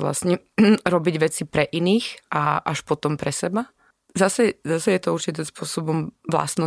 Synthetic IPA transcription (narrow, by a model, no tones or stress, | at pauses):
ʋla̰sɲɛɾɔbiɟʋɛt͡sipɾɛʔiniːxʔaʔaʃpɔt̪ɔmpɾɛsɛba | zasɛzasɛjɛt̪ɔuɾt͡ʃit̪iːmspʊɔsɔbɔmʋla̰snɔ